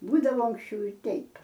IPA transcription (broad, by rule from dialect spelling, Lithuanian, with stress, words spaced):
ˈbuːdɐʋoː ɐŋksʲˈt͡ʃʲɛʊ ɪ ˈtʲɛɪp